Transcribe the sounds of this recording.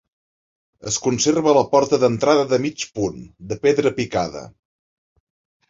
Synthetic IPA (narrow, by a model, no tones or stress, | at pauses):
ə̰skunserβələpɔɾt̪əðənt̪ɾaðəðəmit͡ʃpund̪əpeðɾəpikaðə̰